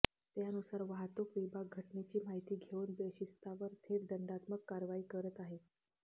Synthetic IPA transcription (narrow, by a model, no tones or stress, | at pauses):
t̪janusaɾʋaɦt̪okʋibʱaɡ̚ɡʱəʈnet͡ɕiːmaɦjt̪iːɡʱeunb̪eɕist̪aʋəɾt̪ʰeɾd̪əɳɖat̪məkːaɾʋaiːkəɾət̪aɦe